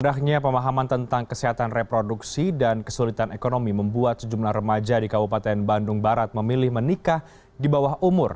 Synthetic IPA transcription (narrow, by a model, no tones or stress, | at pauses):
ndakɲapəmaɦamant̪ənt̪aŋkəsiɦat̪anrepɾoduksidankəsulit̪anekonomiməmbuat̪səd͡ʒumlahrəmad͡ʒadikabupat̪ɛnbandʊŋbaɾat̪̚məmilɪhmənikah | dibawaɦʔumʊr